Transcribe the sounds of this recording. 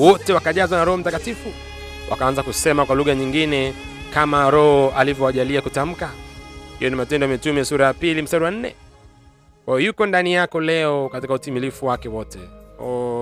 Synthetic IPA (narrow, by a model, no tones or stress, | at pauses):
wɔtɛwakaʄazwanaɾɔhɔm̩takatifu | wʔa̰kaanzakusɛmakwaluɣaɲiŋɡinɛkamaɾɔhɔalivjɔaʄaliakutam̩kahijɔnimatɛndɔamɛtumiasuɾajapilim̩sɛɾuwan̩nːɛ̰ | kwajɔjukɔndanijakɔlɛɔkatikautimilifuwakɛwɔtɛ